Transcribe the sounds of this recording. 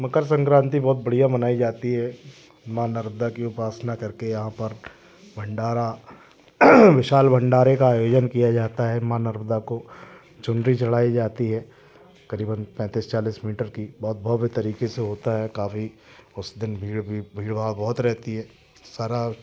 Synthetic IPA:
mɐkəɾs̬ə̃ŋkɾãːnt̪ibɔːt̪̚bɐɽijamɐnaːid͡ʒaːt̪iɦɛ | maːnəɾməd̪akiʊpaːsnakɐɾkejɐɦãpɐɾ | bʱɐ̃ɳɖaːɾa | ʋɪʃaːlbʱɐ̃ɳɖaːɾekaaːjoːd͡ʒənkijad͡ʒaːt̪aɦɛmaːnəɾməd̪ako | t͡ʃʊnɖɾit͡ʃɐɽ̤aːid͡ʒaːt̪iɦɛ | kɐɾiːbənpɛ̃ːt̪iːst͡ʃaːliːsmiːʈəɾkibɔːt̪̚bɔːt̪bʱit̪ɐɾiːkeseɦoːt̪aɦɛkaːfi | ʊsd̪ɪnbʱiːɽbibʱiːɽbʱaːbɔːt̪ɾɛɦt̪iɦɛː | saːɾa

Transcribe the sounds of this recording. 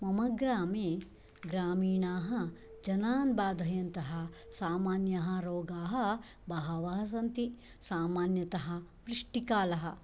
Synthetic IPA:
mɐmɐɡɾaːmeː | ɡɾaːmiːɳaːɦɐd͡ʒɐnaːnbaːd̪ʱɐjɐnt̪ɐɦɐ | saːmaːnjɐɦɐ̆ɾoːɡaːɦɐ | bʱɐɦɐʋɐɦɐs̬ɐnt̪i | saːmaːnjɐt̪ɐɦɐ̆ʋɾɪʂʈikaːlɐɦɐ̆

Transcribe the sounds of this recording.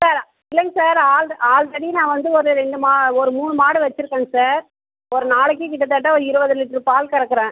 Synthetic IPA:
saːɾ | ɪlːɐŋɡɐsaːɾaːlaːlt̪ɐɽinãːʋɐnd̪ɯɔɾɯɾɛɳɖɯmaːɔɾɯmuːɳɯmaːɽɯʋɐt͡ʃːɪɾɯkːẽːŋɐsaːɾ | ɔɾɯnaːɭɯk̬ːɯkɪʈːɐt̪ːɐʈːɐɔɾɪɾɯʋɐðɐɾlɪʈ̪ːɪɾɯpːaːlkɐɾɐkːɐɾẽː

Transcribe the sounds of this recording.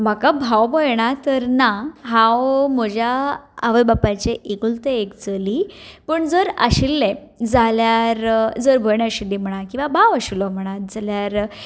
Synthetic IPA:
makabʱawbəjɳat̪əɾnaɦãwməd͡ʑjaaʋəjbapat͡ɕeʔeɡult̪eːkt͡səlipəɳd͡zəɾəɕilːe | d͡zaljaɾd͡zəɾbʱəjɳeəɕilːim̤əɽ̃akĩw̃ʋabʱaʋəɕilɔm̤əɽ̃at̪̚d͡zaljaɾ

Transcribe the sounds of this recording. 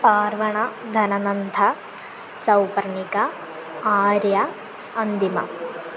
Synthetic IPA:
paːɾʋɐɳɐd̪ʱɐnɐnɐnd̪ʰʱɐ | sɐwpɐɾɳikɐ | aːɾjɐː | nd̪imɐ̰

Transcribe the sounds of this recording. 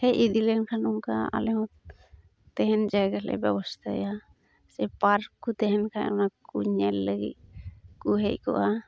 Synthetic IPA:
hɛʔid̪ilɛnkʰanuŋkaa̰lɛmɔt̪̚ | t̪ɛɦɛnd͡ʒaɡalɛ̰bɛbɔst̪ʰaja | sɛpaɾkːut̪ɛɦɛnkʰaa̰nakuɲɛlːəɡḭt̪̚kuɦɛʔkɔ̰ʔa

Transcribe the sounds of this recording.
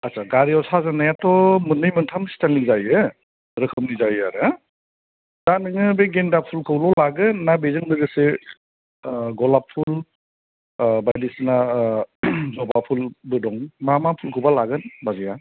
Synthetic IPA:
asaɡaɾiɔwsazanajatʰɔmɯnːɯjmɯntʰamstanlikzajɯ | ɾɯkʰɯmnizajaɾɯ | d̥anɯŋɯbeɡendapʰulkʰɯwlɔlaɡɯnːabezɯŋbɯɡɯse | ɡɔlapʰːul | bajdisna | zɔbapʰulbɯdɔŋmamapʰulkʰɯwbalaɡɯnbazija

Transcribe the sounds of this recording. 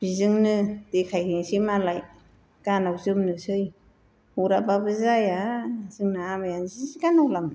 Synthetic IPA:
b̥izɯŋnɯdekʰajheŋsimalaj | ɡ̥anawzɯmnɯsɯj | huɾababɯzajaasɯŋnaamajanziziɡanawlam

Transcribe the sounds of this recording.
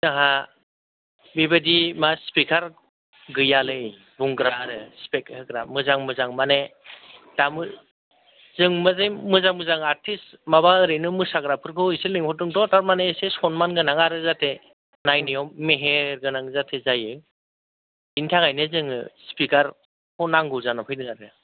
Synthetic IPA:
naɦa | bibadimaspikʰaɾ | ɡɯjalɯj | buŋɡɾaaɾɯspek̚hɯɡɾa̰mɯzaŋmɯzaŋmane | damɯ | zɯŋmɯzejmɯzaŋmɯzaŋaɾtʰist | mabaɯɾɯjnɯmɯsaɡɾapʰɯɾkʰɯɯseliŋhʰɔt̚ɯŋtɔtaɾmanesesɔnmanɡɯnaŋaɾɯzatʰe | najnijɔmmeɦeɾɡɯnaŋzatʰezajɯ | intʰaŋajnezɯŋɯ̰spikʰaɾ | hɔnaŋɡɯzanapʰɯjdɯŋaɾɯ

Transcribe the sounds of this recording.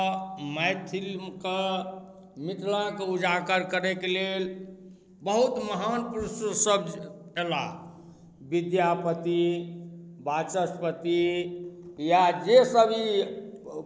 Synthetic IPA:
məjt̪ʰilmke | miʈlãkeud͡ʒakəɾkəɾekelel | bəɦut̪məɦanpɾusosəbd͡ʒela | bid̪japət̪i | bat͡ʃəspət̪i | jad͡ʒesəbʱi

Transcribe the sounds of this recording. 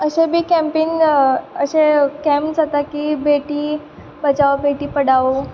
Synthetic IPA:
əɕebʱiːkɛmpiːnəɕekɛmpd͡zʱat̪akiːbeʈiː | bət͡saʋobeʈiːpəɽaʋo

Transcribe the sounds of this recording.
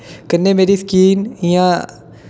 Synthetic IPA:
kənːemeːɾiskiːnɦijã

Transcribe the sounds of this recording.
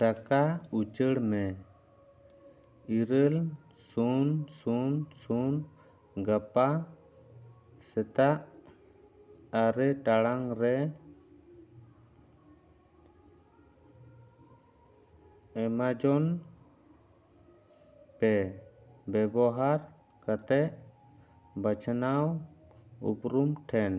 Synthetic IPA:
ʈakaut͡ʃəɽmɛ | iɾəl | sunsunsun | ɡapa | sɛt̪aʔ | aɾɛʈaɽaŋɾɛ | ɛmad͡ʒɔn | pɛ | bɛbɔɦaɾ | kat̪ɛʔ | bət͡ʃʰnaw | upɾumʈʰɛn

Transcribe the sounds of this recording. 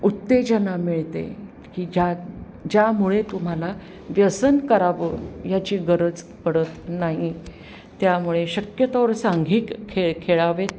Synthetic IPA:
ut̪ːed͡ʑənamiɭt̪ḛ | kiːd͡ʑa | d͡ʑamuɭet̪um̤ala | ʋjəsənkəɾaʋəjat͡ɕiːɡəɾəd͡z | kəɽət̪naɦi | t̪jamuɭeɕəkjət̪aʋəɾsaŋɡʱiːkʰːekʰːeɭaʋe

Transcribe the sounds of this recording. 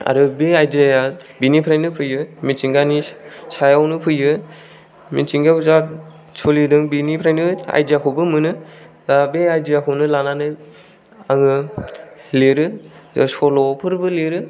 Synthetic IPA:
a̰ɾɯbeajdijabinipʰɾajnɯpʰɯjɯmit͡ʃiŋɡanisajawnɯpʰɯjɯ | mit͡ʃiŋɡauza | solidɯŋbinipʰɾajnɯa̰jdiakʰɯwbɯmɯnɯ | zabeajdiakʰɯwnɯlananɯ | aŋɯ | leɾɯ̰sɔlɔpʰɯɾbɯleɾɯ

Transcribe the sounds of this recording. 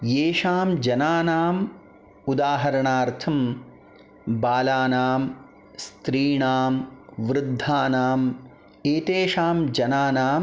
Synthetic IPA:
jeːʂaːmd͡ʒɐnaːnaːm | ud̪aːɦɐɾɐɳaːɾt̪ʰɐm | baːlaːnaːm | st̪ɾiːɳaːmʋɾɪd̪ʱːaːnaːm | eːt̪eːʂaːmd͡ʒɐnaːnaːm

